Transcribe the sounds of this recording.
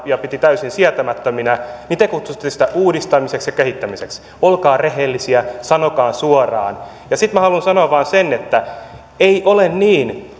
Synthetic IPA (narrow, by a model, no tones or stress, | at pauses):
jɑpit̪it̪æysinsiæt̪æmæt̪ːøminænit̪ekut̪su̥t̪ːesi̥t̪æʔuːdist̪ɑmiseksjɑkehit̪ːæmiseks | olkɑːreɦelːisiæsɑnokɑːnsuorɑ̰ːn | jɑsit̪mæhɑlunsɑnoɑʋɑːnsenet̪ːæ | eiʔolenniːn